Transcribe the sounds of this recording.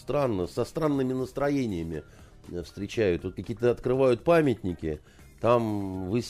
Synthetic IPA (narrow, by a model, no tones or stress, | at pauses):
st̪ɾanːəsɐst̪ɾanːɨmʲɪnəst̪ɾɐjenʲɪjəmʲɪ | fst̪ɾʲɪt͡ɕæjʊt̪vot̪̚kɐkʲijət̪əɐt̪kɾɨvajʊt̪̚pamʲɪtʲnʲɪkʲɪ | t̪amvɨsʲ